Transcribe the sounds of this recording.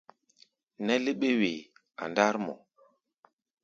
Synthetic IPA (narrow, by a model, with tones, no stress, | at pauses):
nɛ˦li˦ɓe˦we˨ | a̰˨nda˦ɾmɔ̰˨